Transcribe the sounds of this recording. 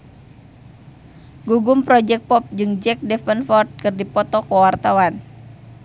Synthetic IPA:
ɡuɡumpɾɔd͡ʒɛk̚pɔp̚d͡ʒɨŋd͡ʒɛk̚dɛfənfɔrt̪̚kɨrdipɔt̪ɔkɔwart̪awan

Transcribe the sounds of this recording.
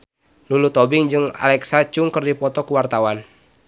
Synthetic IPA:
nulut̪ɔbɪŋd͡ʒɨŋa̰lɛksat͡ʃuŋkərdipɔt̪ɔkuwart̪awan

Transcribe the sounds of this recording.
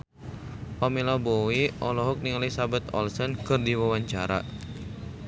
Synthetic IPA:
pamilabɔwiʔɔlɔɦɔk̚niŋalisabat̪ɔ̰lsɔnkɨrdiwawaɲt͡ʃaɾa̰

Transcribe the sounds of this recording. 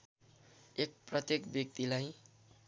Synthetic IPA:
ek̚prʌt̪jekbjʌk̚t̪ilaj

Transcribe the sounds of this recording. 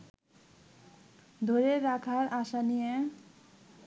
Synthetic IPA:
d̪ʱoɾeɾakʰaɾasanije

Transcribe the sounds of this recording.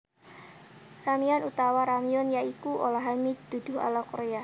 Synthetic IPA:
ramianut̪awaɾamiɔnjaikuʔo̰laɦamid̪̥ud̪̥ʊ̤ɦa̰lakoɾea

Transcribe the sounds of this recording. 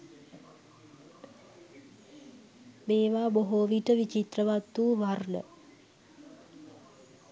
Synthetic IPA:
beːʋaːboɦoːʋiʈəʋit͡ʃit̪rəʋat̪ːuːʋarnə̰

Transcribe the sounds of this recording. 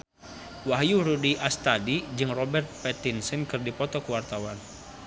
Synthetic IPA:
waɦjuɾudiʔast̪adid͡ʒɨŋrɔbɛrt̪̚pɛt̪insənkɨrdipɔt̪ɔkəwart̪awan

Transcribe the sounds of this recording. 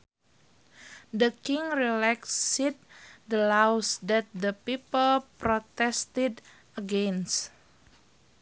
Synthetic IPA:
dəkiŋɹilɛksit̪̚dəlawsdɛt̪̚dəpipəlpɾot̪ɛst̪id | əɡɛns

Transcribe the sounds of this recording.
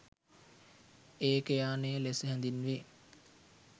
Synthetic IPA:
eːkəjaːnejəlesəɦænd̪inʋe

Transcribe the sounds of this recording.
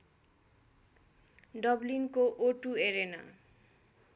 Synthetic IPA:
ɖʌblinkoʔoʈueɾena̰

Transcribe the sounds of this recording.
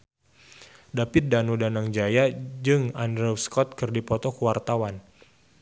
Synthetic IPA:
dapɪt̪̚danudanaŋd͡ʒajad͡ʒɨŋandɾɛwskɔt̪̚kɨrdipɔt̪ɔkuwart̪awan

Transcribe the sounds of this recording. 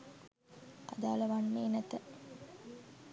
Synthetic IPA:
a̰d̪aːləʋanːeːnət̪ə

